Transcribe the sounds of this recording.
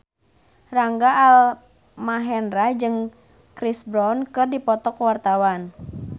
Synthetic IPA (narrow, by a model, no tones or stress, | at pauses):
raŋɡaʔːl | maɦɛnɾad͡ʒɨŋ | kɾisbɾɔnkɨrdipɔt̪ɔkwart̪awan